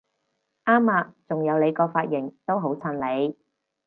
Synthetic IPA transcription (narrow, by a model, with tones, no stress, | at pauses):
ʔaː˥maː˧t͡sʊ˨ŋjɐ˨˧wle˨˧jkɔː˧faː˧t̚jɪ˨˩ŋt̪o˥wɦo˨˥wt͡sʰɐ˧nle˨˧j